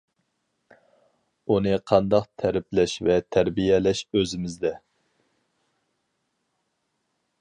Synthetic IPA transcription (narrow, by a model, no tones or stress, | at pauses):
unɨqʰɑnd̪ɑqt̪ʰæɾɪplɛʃvɛt̪ʰæɾbijɛlɛʃøzɪmɪzd̪ɛ